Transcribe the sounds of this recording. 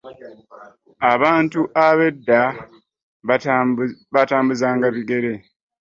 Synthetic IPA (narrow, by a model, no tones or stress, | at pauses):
aβaːntuʔaβe̞dːa | βataːmbuzaːŋɡaβiɡe̞ɾe̞